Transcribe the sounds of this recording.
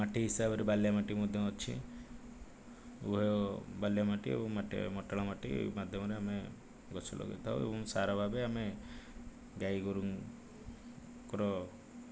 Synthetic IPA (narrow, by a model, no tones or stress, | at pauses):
maʈiɦisabɔɾebaljamaʈimɔd̪ʱjɔɔt͡ʃʰḭ | uɦeobaljamaʈiḛbɔŋmaʈḛmɔʈaɭamaʈḭmad̪ʱjɔmɔɾeame | ɡɔsʰɔlʔɔ̰ɡḛt̪ʰaṵ̃ḛbɔ̃ŋsaɾɔbʱabeame | ɡajɡɔɾuŋ | kɔɾɔ